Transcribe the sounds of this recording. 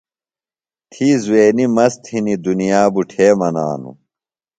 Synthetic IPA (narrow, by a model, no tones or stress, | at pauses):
t̪ʰiːzweːnimɐst̪ʰinid̪unijaːbuʈʰeːmɐna̰ːnṵ